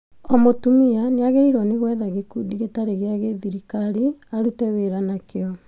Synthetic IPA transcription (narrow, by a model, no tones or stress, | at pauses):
ɔmotumianeaɣeɾiɾɔneɣwɛðaɣekudiɣetaɾeɣeaɣeðiɾikaɾiaɾutɛβeɾanakeɔ